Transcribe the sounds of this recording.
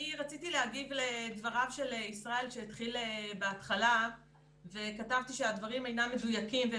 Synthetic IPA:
iʁat͡sit̪ileaɡivle̞d̪vaʁavʃe̞leisʁae̞lʃeit̪χilebeat̪χala | ve̞katavt̪iʃe̞ad̪vaʁimejnamːedujakimve

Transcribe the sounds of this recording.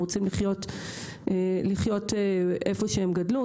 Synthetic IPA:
ʁot͡simliχjo̞t | ʔeliχjo̞teʔefo̞ʃeemɡadlu

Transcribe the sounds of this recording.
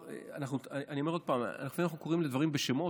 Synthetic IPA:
eanaχnuanio̞me̞o̞d̥̪̚paːma̰naxfinanaχnuko̞ʁimled̪vaʁimbeʃemo̞

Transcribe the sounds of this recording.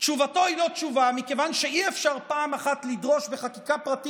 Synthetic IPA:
t͡ʃuvato̞ilott͡ʃuvamike̞vanʃeiefʃaʁpaːmaχatlidʁo̞ʃbeχakikapʁat̪i

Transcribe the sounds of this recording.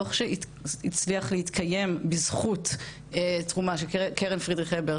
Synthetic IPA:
oχʃei | it͡sliaχlehit̪kʰaje̞mbizχut | tʁumaʃekʰeʁenfʁid̪ʁiχebeʁ

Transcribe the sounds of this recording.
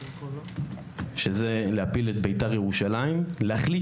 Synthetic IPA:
ʃezeleapilet̪bejtaʁjeʁuʃalaimleaχli

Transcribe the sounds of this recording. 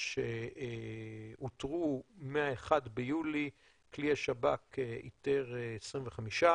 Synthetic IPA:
ʃe | utʁumeaeχad̪bejuli | kliaʃabakeḭt̪eʁesʁimveχamiʃa

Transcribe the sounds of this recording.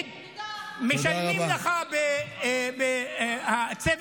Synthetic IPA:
meʃaiilaχabebehat͡sev

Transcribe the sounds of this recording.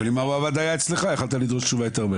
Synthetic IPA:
limauavad̪ajaet͡sleχaeχalt̪alid̪ʁo̞ʃt͡ʃuvajot̪eʁbe

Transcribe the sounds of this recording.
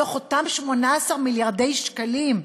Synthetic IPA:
oχotamʃmo̞naːsaʁmiljaʁd̪e̞jʃkalim

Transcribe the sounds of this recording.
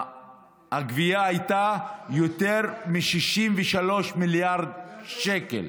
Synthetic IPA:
haɡvijaajt̪ajot̪eʁmiʃiʃimveʃalo̞ʃmiljaʁd̪ʃekḛl

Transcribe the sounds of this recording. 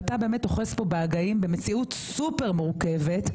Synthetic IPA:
tabe̞ːme̞t̚ːoχespo̞beaɡaimbe̞met͡siutsupeʁmuʁuke̞ve̞t

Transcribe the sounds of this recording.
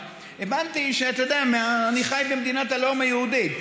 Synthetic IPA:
evant̪iʃeat̪od̪eameaːniχajbemd̪inat̪alomajehud̪it

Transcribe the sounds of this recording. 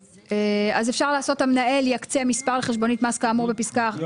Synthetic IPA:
eazefʃaʁlaːso̞tamnaeljakt͡se̞mispaʁleχeʃbo̞nitmaskaːmuʁbepiskaχ

